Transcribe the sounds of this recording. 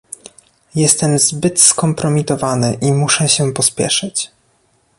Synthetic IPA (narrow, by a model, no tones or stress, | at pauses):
jɛst̪ɛmzbɘt̪skɔmpɾɔmʲit̪ɔvanɘʔimuʂɛɕɛpɔspʲjɛ̰ʂɘt͡ɕ